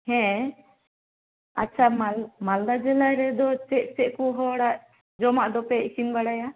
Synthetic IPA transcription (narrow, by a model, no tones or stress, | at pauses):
hɛ̃ | at͡ʃʰamalmald̪ad͡ʒɛlajɾɛd̪ɔt͡ʃɛʔ̚t͡ʃɛʔkɔɦɔɽaʔ | d͡ʒɔmaʔd̪ɔpɛisimbaɽaja